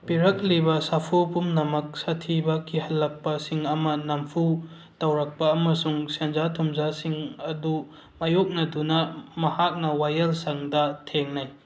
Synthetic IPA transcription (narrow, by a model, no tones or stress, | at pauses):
piɾɐk̚libɐsapʰopumnɐmɐk̚sɐtʰibɐkʰːihɐlːɐk̚pɐsiŋɐmɐnɐmpʰu | tɐwɾɐk̚pɐːmɐsuŋsend͡ʒatʰumzasiŋɐdu | mɐjok̚nɐdunɐmɐhak̚nɐwajɐlsɐŋdɐtʰeŋnɐj